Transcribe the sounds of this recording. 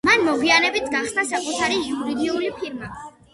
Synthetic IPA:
manmɔɡianɛbit̪ʰɡaχsnasakʼut̪ʰaɾijuɾid̪iulipʰiɾma

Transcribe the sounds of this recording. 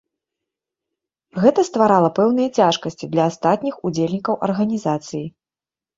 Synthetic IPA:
ɣɛt̪ɐst̪vaɾalˠɐpɛwnɨjɐt͡sʲaʂkɐsʲt͡sʲid̪lʲɐːst̪at̪ʲnʲixud͡zʲelʲnʲikɐwʔɐ̰rɣɐnʲizat̪sɨji

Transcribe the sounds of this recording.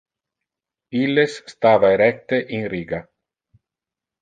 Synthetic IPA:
ilːesːt̪aːvaeɾɛk̚t̪eʔinriːɡa

